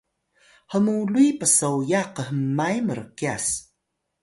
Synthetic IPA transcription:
həmuluipəsowjaqəɦəmːajməɾə̰kias

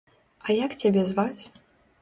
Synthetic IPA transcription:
ɐjakt͡sʲabʲɛzvat͡sʲ

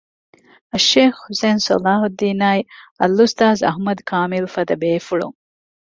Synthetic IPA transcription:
ɐʃːeːxhuseːnso̰laːɦud̪ːiːnaːjɐlːust̪aːzɐ̰ɦmɐd̪kʰaːmilfɐd̪ɐbeːfuɭṵŋ

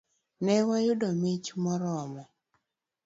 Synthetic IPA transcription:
nɛwajʊdɔmit͡ʃmɔɾɔmɔ

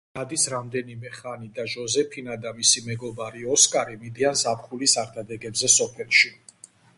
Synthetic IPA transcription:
nad̪isɾamd̪ɛnimɛχanid̪aʒɔzɛpʰinad̪amisimɛɡɔbaɾiɔskʼaɾimid̪ianzapχulisaɾd̪ʰad̪ɛɡɛbzɛsɔpʰɛlˠʃi

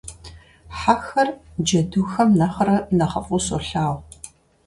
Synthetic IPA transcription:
ħaxɐrd͡ʒɐduːxɐmnɐχɐɾɐnɐχɐfʼʊsoɬaːw

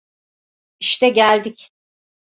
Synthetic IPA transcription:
iʃt̪ʰɛɟælʲd̪ic

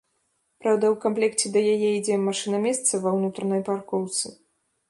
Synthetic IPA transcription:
pɾawd̪ɐwkamplʲɛkt͡sʲɛd̪ɐjajɛid͡zʲɛmaʂɨnɐmʲɛst̪sɐvɐwnut̪ɾɐnɐjparkɔwt̪sɨ

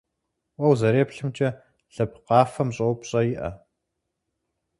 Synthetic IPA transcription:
wɐwzɐɾeːpɬɨmt͡ʃʼɐ | ɬɨp̚qɑːfɐmɕʼɐwpɕʼɐjɪʔɐ̰

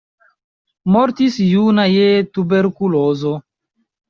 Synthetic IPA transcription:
moɾtisjunajetubeɾkulozo

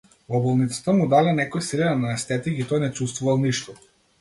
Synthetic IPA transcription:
vɔbɔlˠnit̪sḁt̪amud̪alɛnɛkɔjsilɛnɛnaɛst̪ɛt̪iɡit̪ɔjnɛt͡ʃust̪vuvalˠniʃt̪ɔ

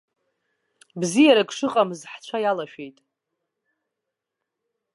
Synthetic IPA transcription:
bzijaɾaɡʂɨqʼamzħt͡ɕʷʰajalaʃᶣejtʼ

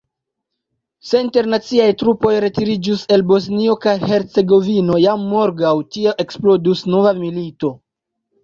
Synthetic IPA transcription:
se̞inte̞ɾnat͡siajtɾupo̞jɾe̞tiɾid͡ʒuse̞lbo̞s̬nio̞kajhe̞ɾt͡se̞ɡo̞vino̞jamːo̞ɾɡawtieʔe̞ksplo̞dusno̞vamilito̞

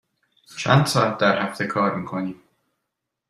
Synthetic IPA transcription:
t͡ʃʰæ̰ːnd̪̥sɒːæt̪̚ʰd̪æɾhæft̪ʰe̞kʰɒːɾmiːkʰoniːm

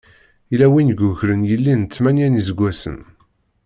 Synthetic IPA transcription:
ilæwinɡʊçɾənjəlːint͡sːmænjænizəɡʷːæsə̰n

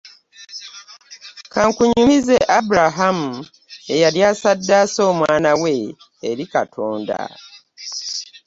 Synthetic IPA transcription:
kaŋkuɲumize̞ʔabuɾaɦamu | e̞jaljaːsadːaːso̞ːmwaːnawe̞ː | ɾikatʰoːnda̰

